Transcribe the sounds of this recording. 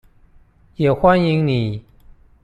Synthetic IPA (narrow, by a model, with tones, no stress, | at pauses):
jɛ˨˩xwa˦ni˧˦ŋni˨˩˦